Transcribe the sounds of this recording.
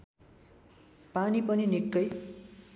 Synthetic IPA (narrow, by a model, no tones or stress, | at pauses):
panipʌninikːʌj